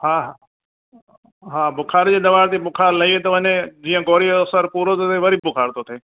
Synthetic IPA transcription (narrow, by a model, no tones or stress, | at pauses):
haːɦ | ɦaːbʊkʰaːɾd͡ʑeːɗ̪ɐʋaːɾt̪eːbʊkʰaːɾləiːɦet̪ɐʋənẽd͡ʑiːə̃ɡoːɾisəɾpuːɾot̪ot̪ʰeʋɐɾiːbbʊkʰaːɾt̪ot̪ʰeː